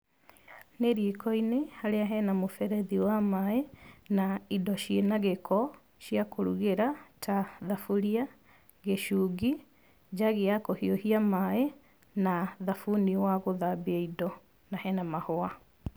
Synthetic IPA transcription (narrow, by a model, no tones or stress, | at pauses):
neɾiekɔinehaɾeaɦɛnamofɛɾɛðiwamaenaidɔʃienaɣekʰɔ | ʃjakoɾṵɣeɾatʰaðafuɾia | ɣeʃuɣi | d͡ʑaɣeakohiohiamaɛ | naðafuniwaɣoðabiɛidɔ | nahɛnamahoa